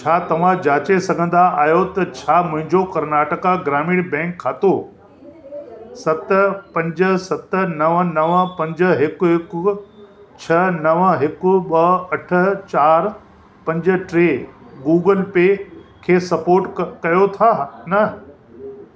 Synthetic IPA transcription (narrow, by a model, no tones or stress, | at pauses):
t͡ɕʰaːt̪ɐʋ̤ãd͡ʑaːt͡ɕesɐɡʱə̃nd̪aʔaːjot̪ɐt͡ɕʰaːmʊ̃ɦɪ̃ɲd͡ʑokɐɾnaːʈəkaɡɾaːmɪːɽbɛ̃ːŋkʰːaːt̪o | sɐt̪pɐ̃ɲd͡ʑə̆sɐt̪ə̆nɐʋnɐʋpɐ̃ɲd͡ʑʊ̆ɦɪkʊɦɪkʊ | t͡ɕʰɐnɐʋɦɪkʊ̆ɓɐɐʈʰə̆t͡ɕaːɾ | pɐ̃ɲd͡ʑʊ̆ʈɾeːɡuːɡəlpekʰeːsɐpoːɾʈkɐjot̪ʰaːnɐ